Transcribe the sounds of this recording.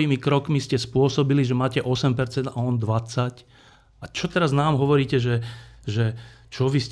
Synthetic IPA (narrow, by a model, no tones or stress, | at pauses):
iːmikɾɔkmiscɛspʊɔsɔbiliʒɛmaːcɛʔɔsɛmpɛɾt͡sɛnd̪a̰ɔnd̪ʋat͡sac | at͡ʃɔt̪ɛɾaznaːmɦɔʋɔɾiːcɛʒɛʒɛt͡ʃɔʋis